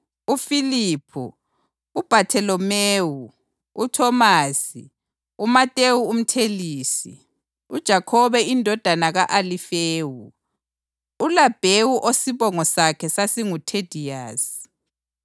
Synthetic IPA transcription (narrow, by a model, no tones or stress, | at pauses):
ufiliːpʰṵ | ub̥ʱatʰɛlɔmeːwu | utʰɔmaːsḭ | umatʼewuːm̩tʰeliːsḭ | ud̥ʒ̥ʱakʰɔβɛindʱɔd̥ʱanaɣaʔalifeːwu | ulab̥ʱewuʔosiβɔŋɔsakʰɛsasiŋutʰed̥ʱiaːs